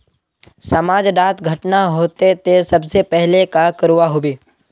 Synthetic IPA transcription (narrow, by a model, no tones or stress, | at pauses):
sɐmaːd͡ʒɖaːt̪ɡʱɐʈnaɦoːt̪et̪esɐbsepɛɦlekakəɾuʋaɦoːbeː